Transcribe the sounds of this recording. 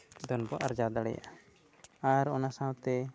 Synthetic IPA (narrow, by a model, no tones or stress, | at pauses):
d̪ɔnbɔʔaɾd͡ʒad̪aɽɛ̰ja̰ʔ | aɾɔnasãwt̪ɛ